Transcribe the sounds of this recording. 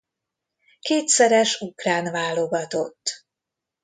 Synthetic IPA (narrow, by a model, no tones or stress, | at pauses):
keːt̪sɛɾɛʃukraːnvaːloɡɒt̪o̞̰t̪ː